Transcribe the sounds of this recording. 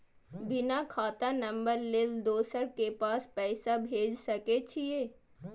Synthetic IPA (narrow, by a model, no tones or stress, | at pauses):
bɪnakʰaːt̪anɐ̃mbəɾleld̪oːsəɾkepaːspɛːsabʱeːd͡ʒsɐket͡ʃʰijeː